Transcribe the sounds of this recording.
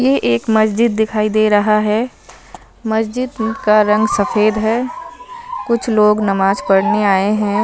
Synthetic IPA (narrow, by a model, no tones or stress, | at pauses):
jeʔeːkmɐsd͡ʒɪd̪ːɪkʰaːid̪eːɾɐɦaɦɛ | mɐsd͡ʒɪd̪kaɾɐ̃ŋɡsɐfeːd̪ɦɛː | kʊt͡ʃʰloːɡnɐmaːd͡ʒkɐɽneaːeɦɛ̃ː